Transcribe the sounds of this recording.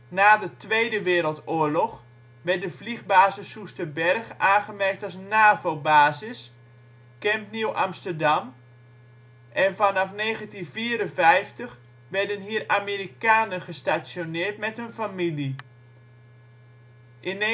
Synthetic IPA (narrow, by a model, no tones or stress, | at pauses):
naːdətʋejdəʋɪːɾəlˠtʊːəɹlɔx | ʋɛt̚dəvliɣbaːzəsustəbɛrχaːnχəmɛrk̚tasnaːvobaːzɪs | kɛmniwʔamstərdɑm | ʔɛnfanafneːɣəntinviːɾənvɛjftəx | ʋɛɹdənɦiəramiɾikaːnənχəstasjonɪːtmɛtɦɵnfamili | ʔɪn